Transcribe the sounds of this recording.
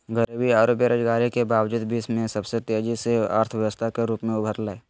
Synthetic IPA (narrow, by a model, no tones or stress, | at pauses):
ɡəɾibiaːɾoːbjəɾoːd͡ʒɡaːɾikebaːwd͡ʒuːd̪biːsmẽsəbset̪eːd͡ʒisea̰ːɾt̪ʰʋjəʋəst̪ʰakeɾuːpmẽʊbʱəɾlaːe